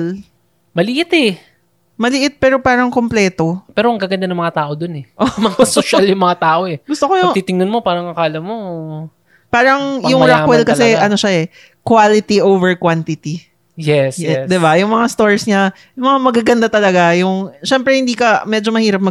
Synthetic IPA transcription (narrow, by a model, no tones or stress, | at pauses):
l | mɐlɪʔɪt̪ɛ | mɐlɪʔɪt̪̚pɛːɾo̞paːɾɐŋko̞mplɛːt̪o̞pɛːɾoɐŋɡaɡɐnd̪anɐmɐŋat̪aːʔod̪onɛʔomɐŋasoʃaljʊŋmɐŋat̪aːʔoɛɡʊst̪okojʊt̪iːt̪ɪŋnʊnmo̞paːɾɐŋʔɐkaːlɐmoo | paːɾɐŋjʊŋɾakwɛlkɐsɛʔɐno̞ʃaɛ | kwalɪt̪iʔowvɛɹkwant̪ɪt̪i | jɛsd̪ɪbajʊŋmɐŋast̪o̞ɹsɲa | jʊŋmɐŋamɐɡaːɡɐnd̪at̪ɐlɐɡajʊŋʃɛmpɾɛhɪnd̪iːkɐmɛd͡ʒo̞mɐhiːɾɐp̚mɐ